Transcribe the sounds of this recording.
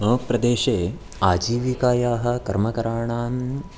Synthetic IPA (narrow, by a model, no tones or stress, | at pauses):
oːkpɾɐd̪eːʃeː | aːd͡ʒiːʋikaːjaːɦɐ̆kɐɾmɐkɐɾaːɳaːn